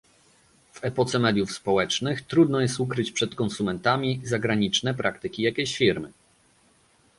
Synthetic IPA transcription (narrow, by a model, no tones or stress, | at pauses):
v̥ɛpɔt̪sɛmɛd̪ʲjufspɔwɛt͡ʂnɘxt̪ɾud̪nɔjɛst̪ukɾɘt͡ɕpʂɛt̪kɔnsumɛnt̪amʲizaɡɾaɲit͡ʂnɛpɾakt̪ɘkʲijakʲeɕfʲiɾmɘ